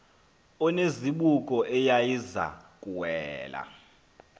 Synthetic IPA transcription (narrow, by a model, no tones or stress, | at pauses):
ɔneziɓukʼɔʔɛjajiza̰kʼuwɛːla̰